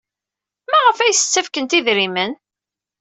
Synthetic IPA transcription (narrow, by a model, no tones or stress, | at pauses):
mæʁəfæjəsə̥t͡sːæfkənt̪iðɾimən